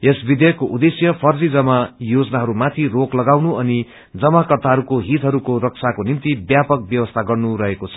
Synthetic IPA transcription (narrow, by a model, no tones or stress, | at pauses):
esbid̪eʌkːoʔud̪esjʌpʰʌrd͡zid͡zʌmajod͡zʌnaɦʌɾumat̪ʰiroklʌɡawnuʌni | d͡zʌmakʌrt̪aɦʌɾukoɦit̪ɦʌɾukoɾʌk̚sakonint̪ibjapʌk̚bjʌwʌst̪ʰaɡʌrnuɾʌɦekot͡sʰʌ̥